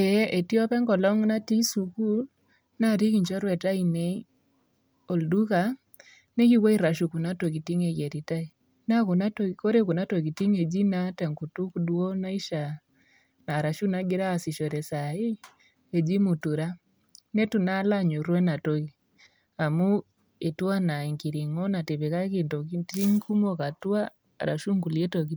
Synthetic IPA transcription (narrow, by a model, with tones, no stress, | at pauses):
ɛ˨˦ʔe˨ti˦ɔ˦pɛ˦ŋɡɔ˨lɔ˦ŋna˦ti˦su˨ku˦l | na˦˨ɾi˦ki˨ɲt͡ʃɔ˦ɾwɛ˨ta˦i˨ne˦ | o˨ldu˦ka˨˦ | ne˦ki˦we˦i˦ɾa˨ʃu˨ku˨na˦to˨ki˨ti˦ŋe˨je˨ɾi˨ta˦i˨ | na˦ku˨na˦to˨ko˦ɾe˦ku˨na˦to˨ki˨ti˦ŋe˨d͡ʒi˦na˦tɛ˨ŋku˨tu˦kdwo˦na˦i˦ʃa˨ | na˨ɾa˨ʃu˦na˦ɡi˦ɾa˦si˨ʃɔ˨ɾɛ˨sai˦ | ɛ˨d͡ʒi˦mu˨tu˨ɾa˦ | nɛ˦tu˨na˦la˦ɲu˨ɾwɛ˦na˨tɔɣi | a˨mu˦ | e˨twa˦na˨i˨ŋki˨ɾi˨ŋɔ˦na˨te˨βe˨ɣa˦kinto˨iti˦ŋku˦mɔ˦ka˨twa̰˦˨ | ɾa̰˨ʃu˦ŋku˨liɛ˦tɔ˨ɣi˦